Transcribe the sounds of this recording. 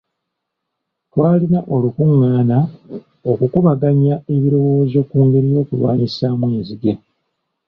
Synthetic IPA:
twaːlinaʔo̞lukuŋːaːna | okukuβaɡaɲae̞βiɾo̞wo̞ːzo̞ːkuːŋɡe̞ɾijo̞ːkulwa̰ːɲisamweːziɡe̞

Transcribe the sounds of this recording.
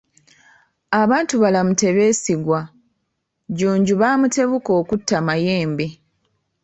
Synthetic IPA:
aβaːntuβalamute̞βe̞ːsiɡwa | ɟuːɲɟuβaːmute̞βuko̞ːkutːamaje̞ːmbe

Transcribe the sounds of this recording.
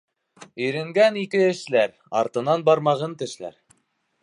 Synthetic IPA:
ɵ̆jɾɘ̆ŋɡænikɘɘ̆ʃlæɾ | ɑ̰ɾt̪ɤ̆nɑnbɑɾmɑʁɤnt̪ɘ̆ʃlæ̰ɾ

